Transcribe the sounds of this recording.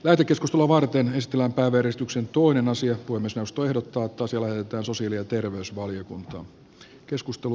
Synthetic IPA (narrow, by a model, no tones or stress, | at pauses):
læht̪ekːeskust̪eluɑʋɑrt̪ene̞si̥t̪ːˑelːæmpæiʋæjærisit̪yksent̪oinenɑsiɑpuhemːiesneust̪oehdot̪ːɑːt̪ːˑɑːsjɑlæhet̪et̪æːnso̞siɑliɑt̪erʋeysʋɑljokunt̪ɑ̰ː | keskust̪elu